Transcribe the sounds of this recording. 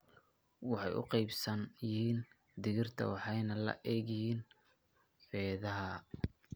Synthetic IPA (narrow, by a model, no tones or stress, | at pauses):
wɑħɑjʔʊ̰qɛjbsɐnjɪhiːn | d̪ɪɣɪrt̪ʰɐ̰wɑħɑjnɐlɐ̰ʔɛːɣɪhiːn | fɛːðɐɦɐ